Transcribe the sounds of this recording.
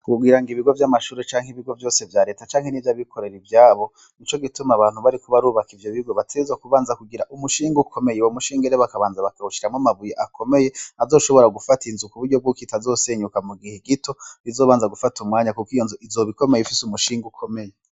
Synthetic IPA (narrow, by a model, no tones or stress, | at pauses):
kuɡwiːɾaŋɡiβiɡo̞vjamaʃuɾet͡ʃaːŋ̥hiβiɡo̞vjo̞ːse̞vjaɾe̞ːtat͡ʃaːŋhe̞nivjaβikʰo̞ɾe̞ɾivjaːβo̞ | nit͡ʃo̞ɡitumaβaːn̥uβaɾikuβaɾuːβakivjo̞βiuɡoβatʰezwakuβaːnzakuɡiɾaʔumuʃiːŋɡukʰo̞me̞jewomuʃiːŋɡeɾeβakaβaːnzaβakauʃiɾamŋamaβujeʔakʰo̞me̞je̞azoʃo̞βo̞ɾaɡufatinzukuβuɾɟo̞bɡukitazo̞ːse̞ːɲukamuɡiheɡito̞izo̞ːβaːnzaɡufatʰumŋaːɲakukijoːnzeizo̞βiko̞me̞jefisumuʃiːŋɡukʰo̞me̞je